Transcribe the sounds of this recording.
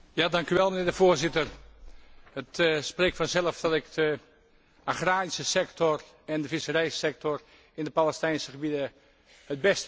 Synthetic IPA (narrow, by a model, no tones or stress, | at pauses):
jadɑŋkyʋɛlˠmənɪːɹdəvoːrzɪtər | hətspreːk̚fɔnzɛləfd̥ɔtɪkdə | ʔaχraːrisəsɛktɔr | ɛndəfɪsərɛjsɛk̚tɔr | ɪndəpalˠɛstɛjnsəχəbidə | həd̚bɛst